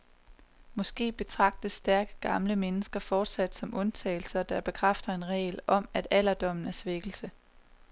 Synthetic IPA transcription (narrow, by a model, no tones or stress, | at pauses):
mɒ̽sɡ̥e̝̰ːb̥e̝t͡sʰʁɑ̈ɡ̥̚d̥əsːd̥æɐɡ̥ə̥ɡ̥ɑ̈mləmenəsɡ̥ɐfɒːd̥sæd̥sɒ̽mʔɔ̽nt͡sʰɛ̰ːl̩sɐɒd̥ɑb̥e̝kʰʁafd̥ɐe̝nʁɛ̰ːlɒ̽mæd̥æl̰ɐd̥ɒ̽m̰n̩æɐsʋeɡ̥l̩sə